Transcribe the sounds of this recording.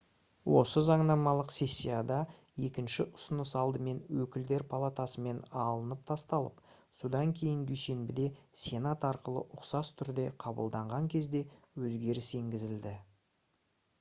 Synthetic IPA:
wʔo̞səzɑɴnɑmɑlˠəqse̞sʲːijad̪ɑ | je̞kʲɪnʃɪʔʊsənəsɑlˠd̪əme̞nwɵkʲɪld̪e̞ɾpʰalˠat̪ɑsəme̞nɑlˠənəp̚t̪ʰɑst̪ɑlˠəp | sud̪ɑŋkʲʰe̞jɪnd̪yjse̞nbɪd̪e̞sʲe̞nat̪ɑɾqəlˠə̰ʔʊqsɑst̪ʰʏɾd̪e̞qʰɑbə̰lˠd̪ɑɴʁɑŋkʲʰe̞zd̪e̞ | wɵzɡʲe̞ɾɪse̞ŋɡʲɪzɪld̪ɪ

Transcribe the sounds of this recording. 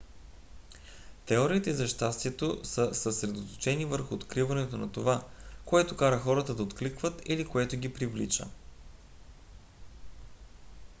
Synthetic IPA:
t̪ɛɔɾiːt̪ɛizɐʃt̪ast̪iɛt̪osəsəsɾɛd̪ot̪o̥t͡ʃɛnivəɾxʊːt̪kɾivɐnɛt̪onɐt̪ovakoɛt̪okaɾəxɔɾət̪əd̪ɐot̪klikvət̪ilikoɛt̪ʊɡʲipɾivlḭt͡ʃə̰

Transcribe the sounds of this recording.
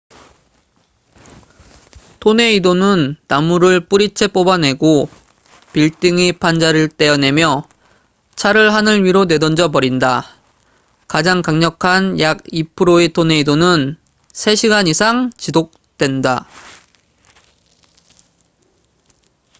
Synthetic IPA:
tʰone̞idonɯnːamːuɾɯɭp͈uɾit͡ɕʰe̞p͈obane̞ɡo | piɭt͈ɯŋipʰand͡ʑaɾɯɭt͈e̞jʌne̞mjʌ | t͡ɕʰaɾɯɭɦanɯɭɥiɾone̞dʌnd͡ʑʌpʌɾinda | kad͡ʑaŋkaŋɲʌkʰanjaɡipʰɯɾoet͈ʰone̞idonɯn | sʰe̞ɕʰiɡaɲisʰaŋt͡ɕidok̚t͈we̞nda

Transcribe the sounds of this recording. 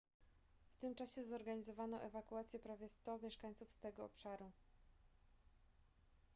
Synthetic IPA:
ft̪ɘmt͡ʂaɕɛzɔɾɡaɲizɔvanɔʔɛvakuat̪sʲjɛpɾavʲjɛst̪ɔmʲjɛʂkaɲt̪sufst̪ɛɡɔɔ̰pʂaɾu

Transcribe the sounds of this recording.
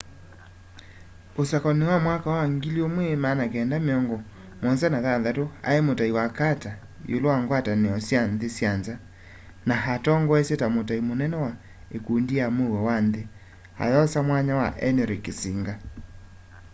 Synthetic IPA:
osakɔnewamwakawaŋɡiliomwemanakɛːndameɔŋɡɔ | mɔnsɛnaðaðatoa̰emotaiwakata | jo̰lowaŋɡwataneɔsjanðesjanza | naɦatɔŋɡɔɛsetamotaimonɛnɛwa | ekundijamewɛwanðe | ha̰ðɔsamwaɲawa̰ʔɛnɛɾekesiŋɡa

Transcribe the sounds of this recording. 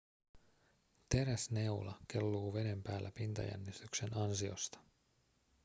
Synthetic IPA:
t̪e̞ɾæsne̞ulʔɑ̰ke̞lːuːʋe̞ne̞mpæːlːæpint̪ɑ̰jæ̰nːist̪ykse̞nɑnsio̰st̪ɑ̥

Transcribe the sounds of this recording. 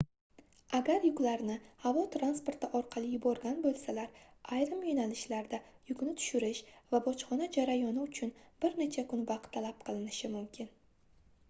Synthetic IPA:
aɡʲaɾjʊklaɾnɪhavɒt̪ʰɾanspoɾt̪ɪʔɒɾqʰɑlˠɪjʊbɒɾɡʲanbolˠsalaɾ | ʔajɾɪmjonalɪʃlaɾd̪a | jʊkʲnɪt̪ʰʊ̥ʃʊɾɪʃvabɒt͡ʃχɒnad͡ʒaɾajɒnɪʊt͡ʃʰʊnbɪɾne̞t͡ʃʰakʰʊnvɑqt̪ʰːalap̚qʰɨlˠɪnɪʃɪmʊmkʲʰɪn

